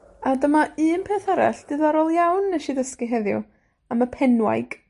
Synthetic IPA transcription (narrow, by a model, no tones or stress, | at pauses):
adəmaʔɨːnpʰeːθəɾɛ̰ɬd̥ɨðɔɾɔlˠjawnːɛʃiðəskiɦɛðjʊ̰ | aməpʰɛnwa̰jɡ̥